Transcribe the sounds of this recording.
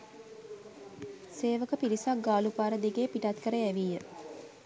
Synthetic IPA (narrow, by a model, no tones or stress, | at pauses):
seːʋəkəpilisakɡaːlupaːɾəd̪iɡeːpiʈat̪kəɾəæʋijə